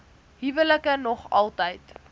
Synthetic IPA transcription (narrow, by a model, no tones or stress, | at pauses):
ɦivələkənɔχɐlˠtəjt